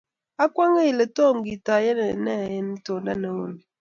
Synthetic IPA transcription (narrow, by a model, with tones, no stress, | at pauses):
a˦kwa˦ŋe˦i˨le˨to˦˨m˨ɡi˨ta˨jɛ˦nɛ˨nɛ˦˨jɛ˦n˦to˨nda˦nɛ˨wo˦ni˨